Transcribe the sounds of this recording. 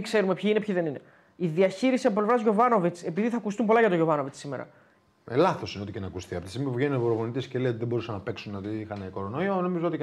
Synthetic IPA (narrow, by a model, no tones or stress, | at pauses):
kse̞ɾume̞pçiinepçiðe̞nine̞̰ | iðiɐçiɾisiɐp̬ople̞vɾɐzʝo̞vɐno̞vit͡se̞piðiθɐkust̪umpo̞lɐʝɐt̪oʝo̞vɐno̞vit͡ssime̞̰ɾɐ̰ | elɐθo̞sineoicenɐkusθiɐpot̪isimipuvʝenuneoɾovonit̪isceleot̪iðebo̞ɾusɐnːɐpe̞ksunot̪iixɐne̞ko̞ɾo̞no̞iono̞mizoot̪i